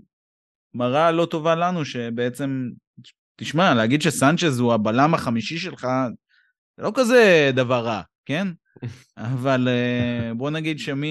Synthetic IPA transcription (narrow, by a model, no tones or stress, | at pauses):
maʁalo̞t̪o̞valanuʃe̞be̞et͡se̞m | t̪iʃmaleaɡid̪ʃesant͡ʃe̞zuabalamaχamiʃiʃe̞lχa | z̥elo̞kaze̞d̪avaʁːake̞n | avalebo̞naɡid̪ʃemi